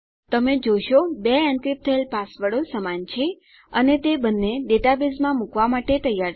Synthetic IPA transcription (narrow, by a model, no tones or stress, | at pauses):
t̪əmed͡ʒoʃobeɛ̃ɳkɾip̚t̪ʰəelpasʋəɽosəmant͡ʃʰe | ənet̪ebənːeɖeʈabizmãmukʋamaʈet̪əjaɾ